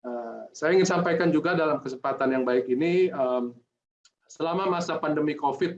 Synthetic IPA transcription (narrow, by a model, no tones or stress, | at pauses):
əsajaiŋɪnsampajkand͡ʒuɡadalamkəsəmpat̪anjaŋbaɪkiniəm | səlamamasapandəmikofɪt̪̚